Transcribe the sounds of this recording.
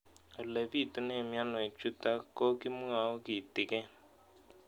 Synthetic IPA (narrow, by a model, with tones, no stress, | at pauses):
o˨le˨vi˦˨tu˦ne˦˨mja˦nɔ˨e˨t͡ʃu˦ta˦ko˦kɪ˦m˦a˨o˦ki˨tɪ˨kɛ˦